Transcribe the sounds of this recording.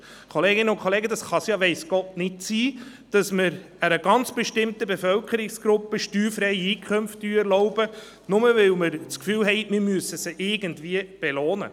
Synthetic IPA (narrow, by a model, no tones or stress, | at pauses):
kʰoleːɡɪnəʊnkχoleːɡəd̪ɑsχɑsjɑʋɛɪsɡ̥ɔtnɪtsiː | d̥ɑsməɾ | əɾəɡɑnt͡sb̥ɛʃtɪmtəbefœlkʰəɾɪksɡ̥ɾʊpːəʃtyːɾfɾɛɪiːkʰχʏmftyɛɾlɔʊb̥ə | nʊməvɪlməɾt͡skfyːlɦɛɪtmɪɾmyəsəsəʔɪɡəntviəb̥eloːnə̰